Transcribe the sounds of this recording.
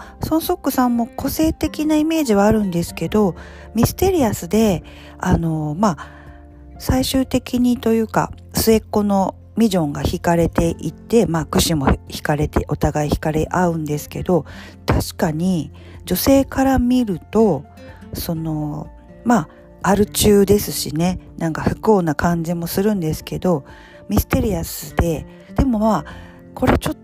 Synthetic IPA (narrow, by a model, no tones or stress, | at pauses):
so̞ñso̞kːɯ̟sãmːo̞ko̞se̞ːt̪e̞kʲinaime̞ːʑiβaːɾɯ̟̃nd̪e̞sɨ̥ke̞d̪o̞ | mʲisɨ̥t̪e̞ɾʲiasɨd̪e̞ | ano̞ma | saiɕɨːt̪e̞kʲiɲ̟it̪o̞jɯ̟ːka̰ | sɨe̞kːo̞no̞ | mʲiʑõ̞ŋɡaçikaɾe̞t̪e̞ʔit̪ːe̞maːkɯ̟ɕimo̞̰çi̥kaɾe̞t̪e̞̰ʔo̞t̪aɡaiçi̥kaɾe̞ʔaɯ̟̃nd̪e̞sɨ̥ke̞̰d̪o̞ | t̪aɕi̥kaɲ̟i | d͡ʑo̞se̞ːkaɾamʲiɾɯ̟t̪o̞ | so̞no̞ | ma | aɾɯ̟t͡ɕɨːd̪e̞sɨɕḭne̞nãŋkaɸɯ̟̥kɯo̞ːnakãɲ̟d͡ʑimo̞sɨɾɯ̟̃nd̪e̞sɨ̥ke̞d̪o̞ | mʲisɨ̥t̪e̞ɾʲiasɨd̪e̞ | d̪̥e̞mo̞ma | kʰo̞ɾe̞t͡ɕo̞